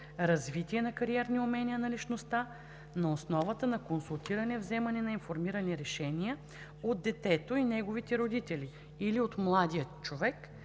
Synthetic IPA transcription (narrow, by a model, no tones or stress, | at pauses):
ɾɐzvit̪iɛnɐkɐɾiɛɾniomɛnʲiənɐlit͡ʃnost̪a | nɐosnɔvət̪ənɐkonsulˠt̪iɾɐnɛvzɛmɐnɛnɐinfoɾmiɾɐnɛɾɛʃɛnʲijə | od̪d̪ːɛt̪ɛt̪oinɛɡovit̪ɛɾod̪it̪ɛli | iliot̪mlˠad̪ijət͡ʃovɛk